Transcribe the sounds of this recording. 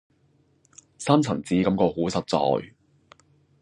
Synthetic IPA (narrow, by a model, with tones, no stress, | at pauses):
saː˥mt͡sʰɐ˨˩ŋt͡siː˨˥kɐ˨˥mkɔː˧huː˨˥sɐ˨t̚t͡sɔ̰ː˧j